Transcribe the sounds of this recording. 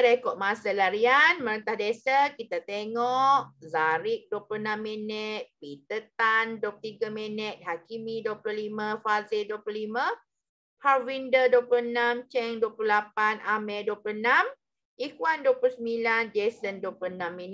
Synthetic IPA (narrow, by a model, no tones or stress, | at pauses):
ɾekɔʔmasəlaɾianməɾənt̪ahdesəkit̪at̪eŋɔʔzaɾɪk̚duəplunamːɛnɛt̪̚pit̪ət̪andopt̪iɡamɛnɛt̪̚hakimiduəplulimafazilduəplulima | havindəduəpluənamt͡ʃɛŋduəplulapanamɛduwəplunam | ikwanduwəplusəmbiland͡ʒesənduəpluənamːɛn